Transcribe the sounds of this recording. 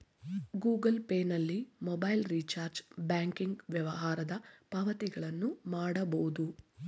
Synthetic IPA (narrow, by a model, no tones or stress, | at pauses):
ɡuːɡɐlpeːnɐlːimɔbɐjlɾiːt͡ʃaːɾd͡ʒbaːŋkiŋɡʋjɐʋɐɦaːɾɐd̪ɐpɐʋɐt̪iɡɐɭɐnːumaːɽɐbɐwud̪u